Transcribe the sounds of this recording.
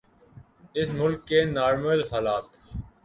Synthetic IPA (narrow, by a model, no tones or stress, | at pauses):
ɪsmʊlkːeːnaːɾməlɦaːlaːt̪